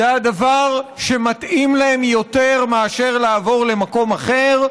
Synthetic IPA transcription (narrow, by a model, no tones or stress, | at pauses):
ead̪avaʁʃe̞mat̪imlae̞mjo̞t̪e̞ʁmaaʃe̞ʁlaːvo̞ʁle̞mako̞maχe̞ʁ